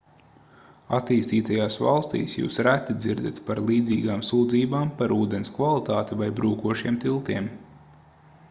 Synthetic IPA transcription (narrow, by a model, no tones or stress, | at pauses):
at̪iːst̪iːt̪ajaːsvɑ̰lˠst̪ḭːsjṵːsɾæt̪id̪ziɾd̪at̪paɾlˠiːd̪ziːɡaːmsuːd̪ziːbaːmpaɾuːd̪enskvalˠit̪aːt̪ivajbɾuːkuɔʃiɛmt̪ilˠt̪iɛm